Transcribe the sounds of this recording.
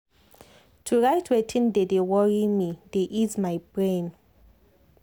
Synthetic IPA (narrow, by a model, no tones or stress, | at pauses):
tʰuɹajtʰwɛtʰĩndedewɔɹimideʔizmajbɹẽn